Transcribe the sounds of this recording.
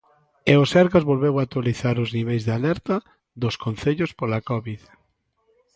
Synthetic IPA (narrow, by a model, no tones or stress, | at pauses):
eosɛɾɣazβolβewak̚t̪waliθaɾʊzniβejzðealɛɾt̪ɐ | ðʊskonθeʎʊspolakɔβið